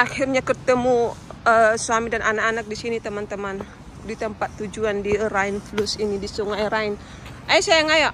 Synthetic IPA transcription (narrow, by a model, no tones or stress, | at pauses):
ʔahirɲakət̪əmuəsuamidananakanak̚disinit̪əmant̪əman | dit̪əmpat̪ːud͡ʒuandiɾainflusinidisuŋajɾain | ʔajsajaŋajaʔ